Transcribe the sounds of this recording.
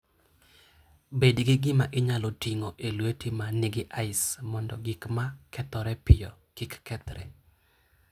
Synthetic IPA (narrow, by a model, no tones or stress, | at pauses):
bedɡɪɡɪmaʔɪɲalotiŋoʔelwetimanɪɡɪʔaɪsmɔndɔ̰ɡikmakʰɛt̪ɔɾɛpɪjɔ̰kɪkːɛt̪ɾɛ̰